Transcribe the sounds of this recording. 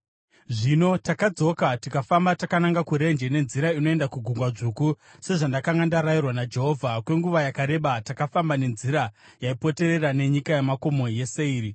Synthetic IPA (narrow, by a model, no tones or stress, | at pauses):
ʐino̞takad͡zo̞katikafambatakanaŋɡakuɾe̞nd͡ʒe̞ne̞nziɾaino̞e̞ndakuɡʱuŋɡwaʐuku | se̞ʐandakaŋɡandaɾajirwanad͡ʒe̞ɦo̞vʱakwe̞ŋɡuʋajakaɾe̞ɓatakafambane̞nziɾa | jaipo̞te̞ɾe̞rane̞ɲikajemako̞mo̞je̞se̞iːri